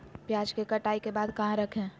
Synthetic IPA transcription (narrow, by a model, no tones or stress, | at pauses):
pjaːd͡ʒkekɐʈaːikebaːd̪kɐɦãɾɐkʰẽː